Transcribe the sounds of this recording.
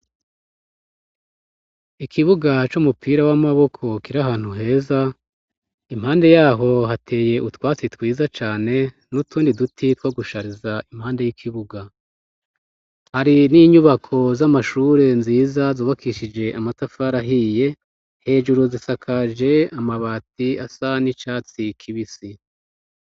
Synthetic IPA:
ikʰiβuɡat͡ʃumupʰiːɾawamaβo̞kʰo̞kiɾaɦaːn̥huɦe̞ːza | im̥haːnde̞jaːɦo̞ɦatʰe̞ːje̞ʔutwaːt͡sitwiːzat͡ʃaːne̞ | nutuːndidutʰitwaːɡuʃaɾizaim̥haːnde̞jikʰiβuɡa | haɾiniɲuβakʰo̞zamaʃuːɾe̞nziːzazuːβakʰiʃid͡ʒe̞ʔamatafaɾaɦije̞ | he̞ːʒuɾuzisakʰad͡ʒe̞amaβaːtiasanit͡ʃaːt͡sikʰiβisi

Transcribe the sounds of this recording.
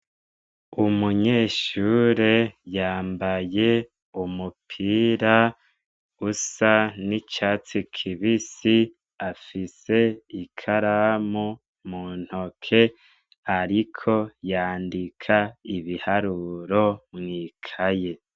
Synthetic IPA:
umuɲe̞ːʃuːɾe̞jaːmbaje̞ | umupʰiːɾa | usanit͡ʃaːt͡sikʰiβisi | afise̞ikʰaɾamu | muːn̥hokʰe̞ | aɾikʰo̞jaːndikʰaiβihaɾuɾo̞mŋiːkʰaje̞

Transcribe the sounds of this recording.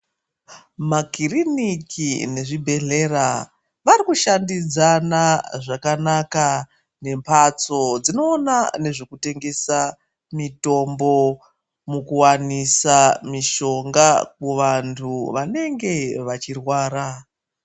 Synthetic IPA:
makirinikʰine̞ʐibʱe̞ɮe̞ra | ʋaɾikuʃandid͡zanaʐakanaka | ne̞mpʰat͡so̞d͡zino̞ːnane̞ʐekute̞ŋɡe̞sa | mito̞mbo̞ | mukuwanisamiʃo̞ŋɡak̚uʋantʰuʋane̞ŋɡe̞ʋat͡ʃirwaːɾa

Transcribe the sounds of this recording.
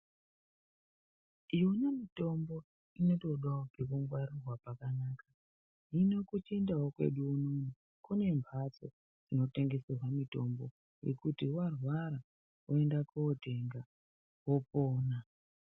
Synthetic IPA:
ijonemito̞mbo̞ | ino̞to̞ɗwaoɡʱekuŋɡwaɾirwapakanaːkḁ | ino̞kut͡ʃendawokwe̞̰ɗuːnonu | kune̞mpat͡so̰ | d͡zino̞te̞ŋɡe̞sirwamito̞mbo̞ | je̞̰kutiwarwaɾa | ue̞ndakuːte̞ŋɡa | wopoːna

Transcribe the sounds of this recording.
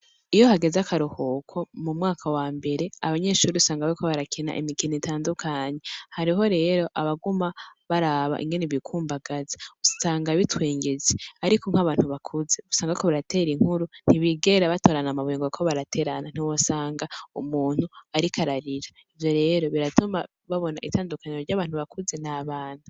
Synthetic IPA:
ijo̞ɦaɡe̞zakʰaɾuhokʰo̞mumŋaːkʰawaːmbe̞ɾe̞aβaɲe̞ːʃuːɾiusaːŋɡaβaɾiko̞βaɾakʰena̰ʔḭmikinitaːndukʰaːɲe̞haɾiɦo̞ɾe̞ːɾo̞ʔaβaɡumaβaɾaːβa̰ʔḭŋɡe̞neβikʰuːmbaɡaze̥usaːŋɡaβitwe̞ːŋɡe̞zeaɾikoŋ̥aβaːn̥huβakʰuze̞usaːŋɡakoβaɾate̞ːɾiŋ̥huɾun̥iβiɡe̞ɾaβato̞ːɾanamaβeŋɡokʰoβaɾatʰe̞ːɾanan̥iwosaːŋɡaṵmuːn̥huaɾikʰaɾaɾiɾa | ivjo̞ɾe̞ːɾo̞βiɾatuma̰ | βaβo̞naʔitaːndukʰaɲeɾoɾɟaːβaːnhuβakʰuze̞naβaːn̥hu

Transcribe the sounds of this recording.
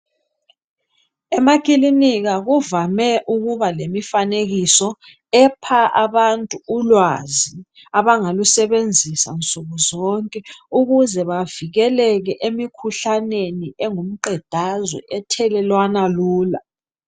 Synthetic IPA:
ɛmakʼiliniɣaɣuvamɛʔuɣuβalemifaneɣisɔ | ɛpʰaʔaβantʼuːlwazi | aβaŋalusɛβend͡zʱisa̰nt͡sʼuɣuzɔŋkʼɛuɣuzɛβaviɣɛlɛɣɛʔemikʰuɬaneniɛŋum̩ǃɛd̥ʱazwɛ̰ʔɛtʰɛlɛlwanaluːla̰

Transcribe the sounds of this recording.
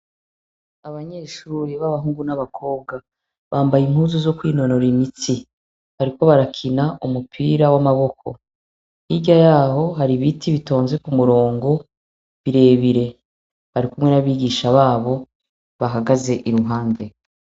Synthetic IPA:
aβaɲeːʃuːɾiβaβaɦuːŋɡunaβakʰo̞ːb̚ɡa | βaːmbajim̥huːzozo̞kwiːno̞no̞ɾimit͡si | haɾiko̞βaɾakʰinaʔumupʰiːɾawamaβo̞kʰo̞̰ | iɟajaːɦo̞ɦaɾiβitʰiβito̞ːnze̞kumuɾo̞ːŋɡo̞ | βiɾe̞βiɾe̞ | haɾikumŋe̞naβiːɡiʃaβaːβo̞ | βaɦaɡaze̞ʔiɾuɦaːnde̞

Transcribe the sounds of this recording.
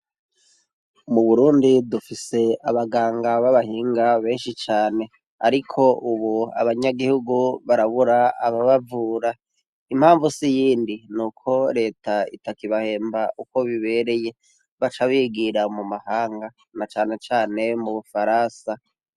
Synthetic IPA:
muβuɾuːndidufise̞aβaɡaːŋɡaβaβahiːŋɡaβe̞ːnʃit͡ʃaːne̞ | aɾikʰo̞ʔuβua̰βaɲaɡihuɡuβaɾaβuɾaaβaβavuːɾa | im̥haːɱvusijiːndinukʰo̞ɾe̞ːtʰaḭtakiβahe̞ːmbaʔuko̞βiβe̞ɾe̞je̞ | βat͡ʃaβiːɡiɾamumahaːŋɡa | nat͡ʃaːne̞t͡ʃaːne̞muβufaɾansa

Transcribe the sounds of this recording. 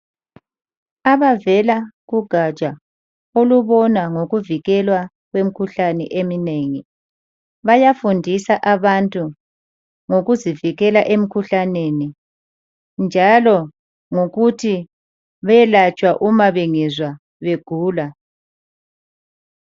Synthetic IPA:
aβavɛlaɣuɡ̥ʱat͡ʃʼa | oluβɔnaŋoɣuviɣɛlwa | ɣwem̩kʰuɬanɛ̰ʔemineːŋi | βajafundʱisaʔaβantʼu | ŋoɣuziviɣɛlaʔem̩kʰuɬaneni | nd͡ʒʱalɔ | ŋoɣutʰi | βɛlat͡ʃʼwaʔumaβɛŋɛzwa | βeɡ̥ʱuːla

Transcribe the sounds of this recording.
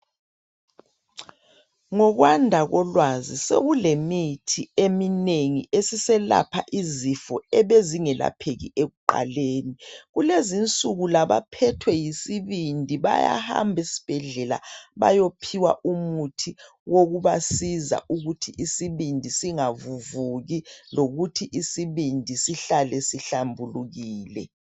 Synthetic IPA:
ŋɔɣwandʱaɣɔlwazisḛɣulemitʰiemineŋiʔesisɛla̰pʰa̰ʔizifɔɛβeziŋɛla̰pʰeɣḭʔeɣuǃa̰leːniɣulezint͡sʼuɣulaβa̰pʰɛtʰwɛjisiβindʱiβa̰ja̰ha̰mbʱesi̥b̥ʱɛɮɛla̰βa̰jopʰiwa̰ʔumutʰi | woɣuβasiza̰ʔuɣutʰiʔisiβindʱisiŋavuvuɣiloɣutʰiʔisiβindʱisiɬalɛsiɬambʱuluɣiːlɛ̰

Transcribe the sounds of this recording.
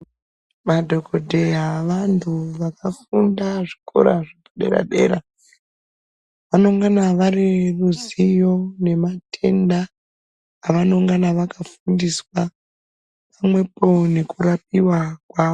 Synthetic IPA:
madʱo̞kodʱejaʋantʰuʋakafundaʐikʰo̞̰ɾaʐipoɗe̞̰ɾa̰ɗe̞̰ːɾa | ʋano̞ŋɡanaʋariruzijo̞ne̞matʰe̞ndaː | ʋanoŋɡanaʋakafundiswa | pamwe̞po̞ne̞kurap̚iwakwaːʋo

